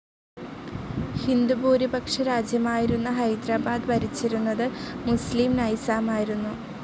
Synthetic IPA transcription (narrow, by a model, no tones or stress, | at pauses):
hind̪ubuːɾibɐkʂɐɾaːd͡ʑjɐmaːjiɾunːɐɦɐjd̪ɾaːbaːd̪ʋɐɾit͡ɕːiɾunːɐðɨmuslimnɐjsaːmaːjiɾunːu